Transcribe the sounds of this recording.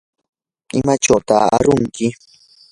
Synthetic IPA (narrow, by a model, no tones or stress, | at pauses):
ɪmat͡ʃawt̪a̰ːɾʊŋkɪ